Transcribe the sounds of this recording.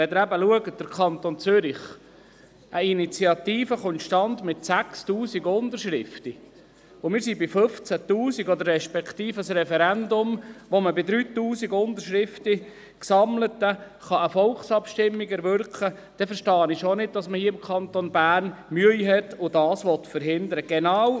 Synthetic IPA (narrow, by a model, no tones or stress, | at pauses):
ɛd̪əɾæbəluəɡəd̥əɾkʰɑnt̪ont͡søɾiχ | ʔəinit͡siɑt̪iːfəχʊnt̪ʃtɑnd̪mɪt̪sækstuːsiɡʊnd̪əʃɾɪft̪i | ʊmɪːɾsibɪfɵft͡sæt̪uːsiɡɔd̪əɾɛʃpɛkʰt̪iːfəsɾɛfɛɾænd̪ʊmʋoməbɪdɾyːt̪uːsiɡʊnd̪əʃɾɪft̪ə | ksɑmlətːə | χɑəfɔlχsɑpʃtɪmːiɡɛɾʋʏɾkχə | d̥ɛfəɾʃtɑːənɪʃonɪd̚dɑsməhiəɪmkʰɑnt̪ɔnbæːɾnmyəiɦɛt̪ːʊdɑːsʋɔt̪fəɾɦɪnd̪əɾəɡ̥ɛnɑw